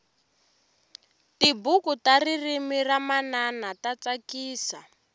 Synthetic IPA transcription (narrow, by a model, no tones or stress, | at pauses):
tibukutaririmiramananatat͡sakiːsa